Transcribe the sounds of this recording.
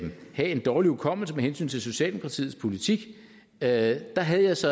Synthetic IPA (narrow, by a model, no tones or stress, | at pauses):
mhæe̝nd̥ɒːliukʰɒ̽m̰l̩səmehensy̰ːnt͡sʰe̝lso̝ɕiɛ̰ːld̥emokʰʁɑ̈t͡sʰḭːð̩ˠspʰo̝lit͡sʰiɡ̥ | d̥ɑ̈ɦæðˠjɑ̈ɪsɒ̽